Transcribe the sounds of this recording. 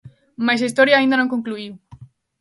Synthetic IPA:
majs̬aist̪ɔɾjaːĩnd̪ɐnõŋkoŋkluiw

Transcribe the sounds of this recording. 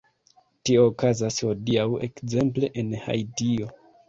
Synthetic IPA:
tio̞ːkazasho̞diawe̞̰kze̞mple̞ʔenha̰jdio̞

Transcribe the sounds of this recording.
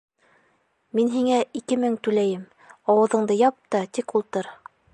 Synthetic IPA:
minɦiŋæikɘmɘŋt̪ʉlæjɘm | ɑwɤ̆ðɤ̆ɴd̪ɤjɑp̚t̪ɑt̪ikulˠt̪ɤɾ

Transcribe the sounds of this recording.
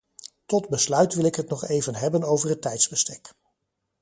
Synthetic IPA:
tɔdbəslœɥtʋɪlˠɪkɦətnɔχejvənɦɛbənowvəɹɦətːɛjtzbəstɛk

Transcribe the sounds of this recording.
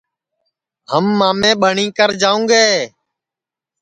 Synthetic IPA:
həmːaːmẽːɓəɳĩːkəɾd͡ʒaːũːɡeː

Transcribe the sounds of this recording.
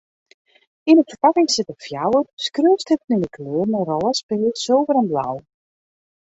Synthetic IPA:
inəfərpakɪŋsɪtəfjawəskrøːsthət̚ninəkʰløːrmərɔlˠəspɪːlsowvəɾənbla̰w

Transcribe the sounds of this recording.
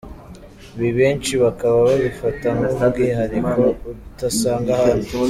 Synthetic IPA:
βiβe̞ːnt͡ʃiβakaβaβaβifataŋɡoβuɡeɦaɾikouutasaːŋɡahaɾi

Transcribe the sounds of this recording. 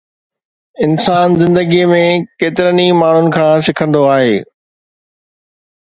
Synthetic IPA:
ɪnsaːnzɪ̃nd̪əɡimẽkeːt̪ɪɾənimaːɳ̤ʊnɪ̆kʰãːsɪkʰə̃nd̪oaːɦeː

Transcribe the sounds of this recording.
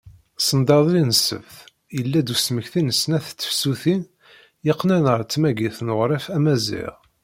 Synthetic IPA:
sənd̪ɑðˤlinəsə̰vθ | jəlːæd̪usməçθinəsnæθt͡sːə̥fsuθin | jɪqːnænəɾˤt͡sːmæɡiθnʊʁɾˤɪfæmæzḭʁ

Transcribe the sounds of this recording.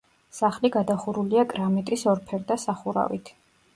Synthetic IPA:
saχliɡad̪aχuɾuliakʼɾamɛt̪ʼɾisɔɾpʰɛɾd̪asaχuɾa̰vḭt̪ʰ

